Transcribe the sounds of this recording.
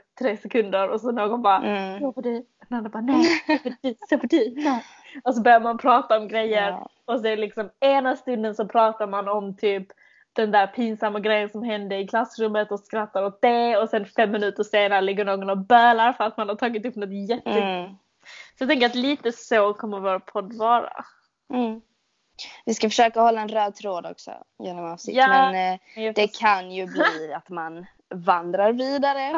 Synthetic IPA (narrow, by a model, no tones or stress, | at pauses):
t̪ʰɾeːsɛkʰɵnd̪əɾɔsɔnoːɡɔnbɑːɾajɑːvad̪ʉ | nanːabɑːnɛdsefɔdɛ | ɔs̬ɔbœːɾjaɾmanpʰɾɑːt̪aɔmɡɾɛjːəɾ | ɔs̬ɔɛlɪksɔmeːnast̪ɵnd̪ənsɔpʰɾɑːt̪aɾmanɔmt̪ʰyːp | d̪̥ɛnd̪æːɾpʰiːnsamːaɡɾɛjːənsɔmɦɛnd̪əɪkʰlasɾɵmːət̪ɔskɾat̪ːaɾɔt̪̚d̪ɛɔsɛnfɛmːɪnʉ̟ːt̪əʂeːnaɾəlɪɡːəɳoːɡɔnɔbœːlaɾfœɾat̪manhaʈʰɑːɡɪt̪ɵpːnɔt̪jɛt̪ːəɡɔ | sɔjat̪ɛŋkəɾat̪liːt̪əsokʰɔmːəɾvoːɾpʰɔd̪ːvɑːɾa̰ | m̩ː | vɪskafœʂøːkahɔlːaɛnɾœːd̪̚t̪ʰɾoːd̪ɔ̰ksɔ̰jeːnɔmasɪ̰aːɛnd̪ɛkʰanjɵbliːat̪man | vand̪ɾaɾviːd̪aɾə